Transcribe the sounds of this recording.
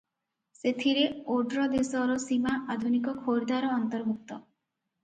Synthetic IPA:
set̪ʰiɾeoɖɾɔd̪esɔɾɔsimaʔad̪ʱunikɔkʰoɾd̪aɾɔːnt̪ɔɾbʱuk̚t̪ɔ

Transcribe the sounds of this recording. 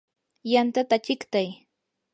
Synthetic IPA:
jant̪at̪at͡ʃɪkt̪aj

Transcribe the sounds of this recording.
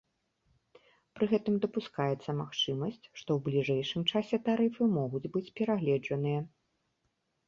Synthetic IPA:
pɾɨɣɛt̪ɨmd̪ɐpuskajɛt̪sːɐmaxt͡ʂɨmɐsʲt͡sʲʂt̪ɔwblʲiʐɛjʂɨmt͡ʂasʲɛt̪aɾɨfɨmɔɣud͡zʲbɨt͡sʲpʲɛɾaɣlʲɛd͡ʐɐnɨjɐ

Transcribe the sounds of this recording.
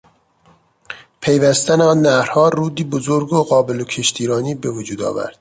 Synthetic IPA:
pʰe̞jvæst̪æneɒːnːæhɾ̥hɒːɾuːd̪iːbozoɾɡoɣɒːbelocʰeʃt̪ʰiːɾɒːniːbe̞vod͡ʒuːd̪ɒ̰ːvæ̰ɾd̪̥

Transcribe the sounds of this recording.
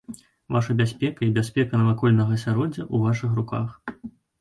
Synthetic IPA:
vaʂɐbʲasʲpʲɛkɐibʲasʲpʲɛkɐnɐvakɔlʲnɐɣɐsʲaɾɔd͡zʲɐʔuvaʂɨxruka̰x

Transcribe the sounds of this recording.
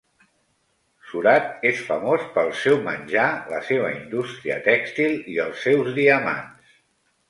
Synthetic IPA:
suɾat̪̚esfəmospəlˠsɛwmənʲʒalə̰seβ̞ə̰ind̪ust̪ɾiə̰t̪ɛkst̪ilˠiəlˠsːɛwzðiəma̰ns

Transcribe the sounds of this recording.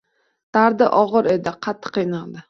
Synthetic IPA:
t̪aɾd̪ɪʔɒʁɨɾe̞d̪ɪqʰɑt̪ʰːɨ̥qinald̪ɪ

